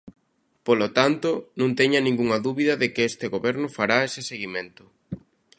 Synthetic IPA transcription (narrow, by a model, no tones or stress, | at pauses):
polot̪ant̪ʊnõnt̪ɛɲɐnĩŋɡuŋɐðuβiðɐðɪkɪest̪ɪɣoβɛɾnʊfaɾaesɪseɣimẽnt̪ʊ